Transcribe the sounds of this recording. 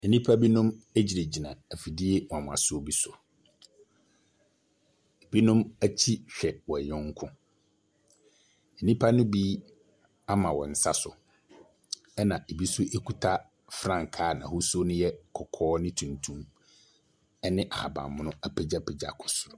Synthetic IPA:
ne˨nĩ˦pʰa˦bi˦nʊ̃˦me˦d͡ʑi˨e˨d͡ʑi˨nã˨æ˨fi˨di˦e˦w̃ã˨mʊ̃˨a̰˨sʊ˦o˦bi˦sʊ˨ | e˨bi˦nʊ̃˦mæ˦t͡ɕʰi˦ɕᶣɛ˨wɔ˨ɲɔ̃˦ŋ˦kʰʊ̃˦ | ne˨nĩ˦pʰa˦nʊ̃˦bi˦ | a˦mã˨wɔ̃˨n̩˨sa˦sʊ˨ | ɛ˦nã˨e˨bi˦sʊ˦ʔe˦kʰu˦tʰa˦ | fɾã˨ŋ˨kʰaː˨˦˨nã̰˨hʊ˦so˦nʊ̃˦jɛ˦kʰɔ˨kʰɔː˦nɪ̃˦tʰũ˨ntʰũ˦m | ɛ˦nɪ̃˦ʔa˨ha̰˨bã̰˨mʊ̃˦nʊ̃˦a˨pʰe˨d͡ʑa˦pʰe˨d͡ʑa̰˨kʰɔ˨sʊ˨ɾ

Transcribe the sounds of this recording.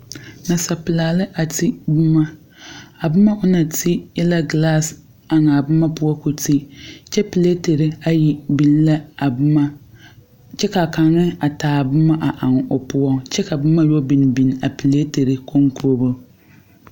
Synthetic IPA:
na˨sa˨pɨ˨laː˨lɨ˦ʔa˨ti˦bʊ˦ma˦ | a˨bʊ˦ma˦ʔʊ˦na˨tʰi˦ɪ˦la˦ɡla˦˨s | a˨ŋa˨bʊ˦ma˦pʊ˦ɔ˦ku˨ti˦t͡ʃɛ˦pi˨le˦te˨ɾɪ˦a˦ji˦bi˨n˦la˦˨˦ | t͡ʃɛ˦ka˨ka˨ŋɪ˦a˨taː˨bʊ˦ma˦ʔa˨ʔa˨ŋ˨ʊ˨pʊ˦ɔ˦t͡ʃɛ˦ka˨bʊ˦ma˦jɔ˦bi˨n˨bi˨n˨a˨pi˨le˦te˨ɾɨ˦kʰo˦ŋkɾo˦bʊ˦

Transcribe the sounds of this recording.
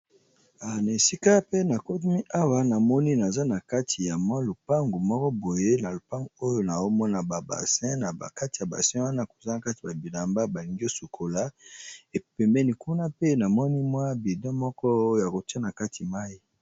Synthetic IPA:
a˨na˨e˨si˦ka˦pe˦na˨ko˦t̬u˦mi˦ʔa˦wa˦na˨mɔ˦ni˦na˨za˦na˨ka˦tʰi˨ja˨mwa˦lo˨pa˦ŋɡu˨mɔ˦kɔ˦bo˨je˦na˨lo˨pa˦ŋɡo˦jo˦na˨o˦mɔ˦na˨ba˨ba̰˨sɛ̃˦na˨a˨ka˦ti˨ja˨ba̰˨sɛ̃˦wa˦na˦ko̥˨za˦na˨ka˦ti˨ba˨bi˨la˨mba˦ba˨li˨ŋɡi˦o˦su˨kʰo˨la˦e˨pɛ˨mbɛ˦ni˦ku˦na˦pe˦na˨mɔ˦ni˦mwa˦bi˨dɔ̃˦mɔ˦kɔ˦˨ja˨ko˨ti˦a˦na˨ka˦tʰi˨ma˦i˦

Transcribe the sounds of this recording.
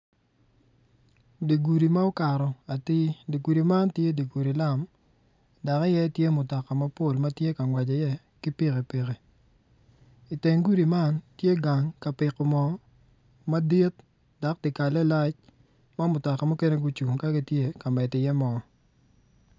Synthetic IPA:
de˨ɡu˨ɾi˨ma˦o˦ka˨ɾɔ˨a˨tɪ˦de˨ɡu˨ɾi˨ma˦ntje˦di˨ɡu˨ɾi˨la˦˨m | da˨kɔ˦jɛ˦tje˦mʊ˨tɔ˨ka˨ma˦po˦˨lma˦tje˦ka˨ŋwa˨d͡ʒɔ˨jɛ˦ | kɪ˦pi˦ɣe˨pi˨ɣe˨ | i˨te˨ŋɡu˦ɾi˨ma˦ntje˦ɡa˨ŋka˨pɪ˨kɔ˨mɔ˨ | ma˦di˦t̚ | da˨k̚dɪ˨ka˨lɛ˦la˦t͡ʃ | ma˦mʊ˨tɔ˨ka˨mɔ˦ke˦ne˦ɡu˦t͡ʃu˨ŋka˦ɡi˦tje˦ka˨mɛ˨tɪ˨jɛ˦mɔ˨

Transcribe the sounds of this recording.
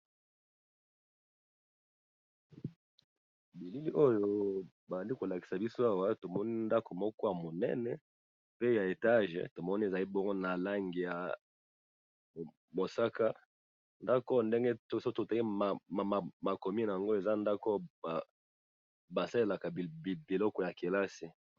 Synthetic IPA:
bi˨li˦li˦ʔo˦jo˦ | ba˨a˨ndi˦ko˨la˨ki̥˨sa˨bi˦so˦a˦wa˦to˨mɔ˦ni˦nda˦ko˨mɔ˦kɔ˦ja˨mo˨nɛ̰˦nɛ˨ | pe˦ja˨e˨ta˦ʒ̰to˨mɔ˦ni˦e˨za˨li˦bɔ˦ŋɡo˦na˨la˦ŋɡi˨ja˨ | mo˨sa˦ka˦ | nda˦ko˦nde˦ŋɡe˦tso˦to˨ta˨ki˦ma˨ma˨ma˨ko˨mi˦n˨a˨ŋɡo˦e˨za˦nda˦ko˦˨ | ba˨sa˦e˦la˨ka˨bi˨lɔ˦kɔ˨ja˨ke˨la˦si˨

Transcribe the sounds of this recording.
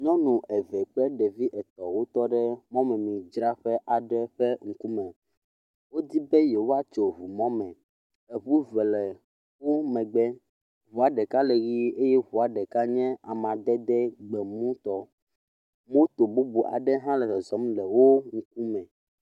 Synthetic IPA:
ɲɔ̃˦nũ˨ʔɛ˨vɛ˨k͡pɛ˦ɖɛ˨vi˦ʔɛ˨t̪ɔ˨wo˦t̪ɔ˦ɖɛ˦mɔ̃˦mɛ̃˨mĩ˨d͡ʒɾa˦ɸɛ˦ʔa˨ɖɛ˦ɸɛ˦ŋ̩˨ku˦mɛ̃˨ | wo˦d̪i˦bɛ˦jɛ˨wo˦a˦t͡ʃo˨βu˨mɔ̃˦mɛ̃˨ | e˨βu˦vɛ˨lɛ˨ | wu˦mɛ̃˨ɡ͡bɛ˦ | βu˨a˨ɖɛ˨ka˦le˨ɣi˦e˦jɛ˦βu˨a˨ɖɛ˨ka˦ɲɛ̃˦a˨mã˨d̪ɛ˦d̪ɛ˦ɡ͡bɛ˨mũ˦t̪ɔ˦ | mõ˦t̪o˨bu˦bu˨ʔa̰˨ɖɛ˦ɦã˦lɛ˨tɔ˨zɔ˨˦mlɛ˨wo˦ŋ̩˨k̚u˦mɛ̃˨

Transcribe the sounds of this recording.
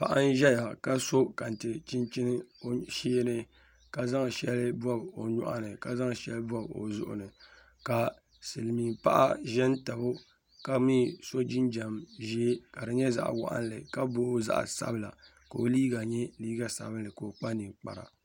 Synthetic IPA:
pa̰˨ʔa˦n˦ʒɛ˦ja˨ka˦so˦ka˨n˨tɨ˨t͡ʃɪ˦nt͡ʃɪ˦n˦o˦ʃiː˦nɨ˦ | ka˨za˦ŋ˨ʃɛ˦lɨ˦bɔ˦bo˨ɲɔ̰˦ʔa̰˦nɨ˨ka˨za˦ŋ˨ʃɛ˦lɨ˦bɔ˦bo̰˨zʊ̰˦ʔʊ̰˨nɨ˨ | ka˨ | sɨ˨lmiː˨pa˦ʔa̰˦ʒɛ˦n˦ta˨bo˦ | ka˨miː˦so˦d͡ʒɪ˦nd͡ʒa˨mʒi˦e˦ka˨dɨ˨ɲɛ˦za̰˦ʔwa̰˦ʔa̰˦n˦lɨ̰˨ka˦boː˦za̰˦ʔsa̰˦bɨ˦la˨ | ko˨o˨liː˦ɡa˨ɲɛ˦liː˦ɡa˦sa̰˨bɨ˦lɨ˨ko˨k͡pa˦nɨ˨k͡pa̰˨ɾa̰˨

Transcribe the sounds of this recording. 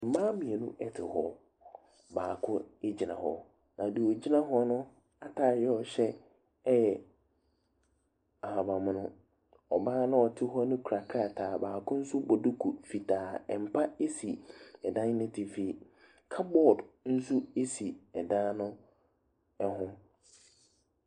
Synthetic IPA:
m̩˨mã˦mĩ˨e˨nũ˦ʔɛ˦tʰɪ̰˨hɔ˦ | baː˨kʰʊ̃˦e˦d͡ʑi˨nã̰˨hɔ̰˨ | nã˨di˨ɔ˨d͡ʑi˦nã˦ɦɔ˦nʊ̃˦ | a˦tʰaː˨jɛ˦ɔ˨ɕɛ˦ | ɛ˦jɛ˨ | a˨ha˨bã˨mʊ̃˨˦nʊ̃˦ | ɔ˨bãː˦nʊ̃˦ɔ˨tʰɪ˦ɦɔ˦nʊ̃˦kʰu˨ɾa˨kʰa˦˨tʰaː˨baː˨kʰʊ̃˦n̩˦su˦bɔ˨dʊ˦kʰu˨fi˨tʰaː˨ɛ˨m̩˨pʰa˦e˦si˨ɛ˨dã˦n˦nʊ̃˦tʰɪ˨fiː˨ | kʰa˦bɔ˦˨dn̩˦su˦e˦si˨ɛ˨dã˦nʊ̃˦ | ɛ˦ɦʊ̃˦

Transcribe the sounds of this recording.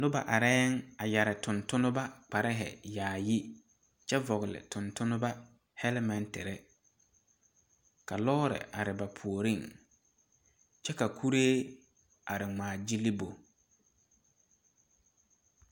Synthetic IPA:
nʊ˦ba̰˨ʔa˨ɾɛ˦ŋa˨ja˨ɾɪ˨tʊ˨ntʊ˦nʊ˦ba˦k͡pa˨ɾɪ˦ɦɪ̰˨jaː˨ji˦ | t͡ʃɛ˦vɔ˨ɣɪ˨lɪ̰˨tʊ˨ntʊ˦nʊ˦ba˦ | hɛ˦lɛ˦mɛ˨ntɪ˨ɾɪ˦ | ka˨lɔ˦ɾɪ̰˨ʔa˨ɾɪ˨ba˨pʰu˨o˨ɾi˦˨ŋ | t͡ʃɛ˦ka˨kʰu˦ɾeː˦ | a˨ɾɪ˨ŋ͡maː˨d͡ʒi˦li˦bo˨

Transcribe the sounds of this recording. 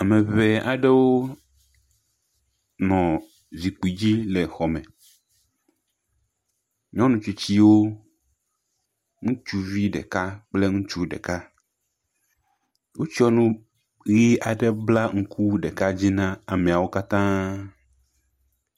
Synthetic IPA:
a˨mẽ˨βe˨a˨ɖe˦wo˦ | nɔ̃˨ | zi˨k͡pi˨d͡ʑi˦le˨xɔ˨mɛ̃˨ | ɲɔ̃˦nũ˨t͡ʃi˨t͡ɕi˦wo˦ | ŋũ˦t͡ʃu˦vi˦ɖɛ̰˨ka˦k͡ple˦ŋũ˦t͡ʃu˦ɖɛ̰˨ka˦ | wo˦t͡ɕi˦ɔ˦nũ˦ | ɣi˦a˨ɖe˦bla˦ŋ̩˦kʰu˦ɖɛ˨ka˦d͡ʑi˦nã˦a˨mẽ˨a˨wo˦ka˦t̪ã˦

